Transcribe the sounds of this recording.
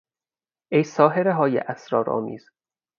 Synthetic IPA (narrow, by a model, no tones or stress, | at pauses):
ʔejsɒːɦeɾeɦɒːjḛʔæsɾɒ̰ːɾʔɒ̰ːmḭːz̥